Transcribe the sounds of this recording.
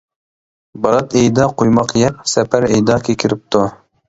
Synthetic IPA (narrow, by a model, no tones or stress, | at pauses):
bɑɾɑt̪ɛjd̪ɑqʰojmɑqjɛp̚sɛpʰæɾɛjd̪ɑkʲʰekʲʰiɾɪp̚t̪ʰu